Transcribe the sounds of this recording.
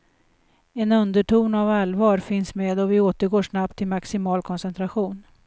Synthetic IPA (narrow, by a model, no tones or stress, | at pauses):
ɛnɵnd̪əʈuːnavalvɑːɾfɪnsmeːd̪ɔvɪoːt̪əɾɡoːʂnap̚t̪ʰːɪlmaksɪmɑːlkʰɔnsɛnt̪ɾaɧuːn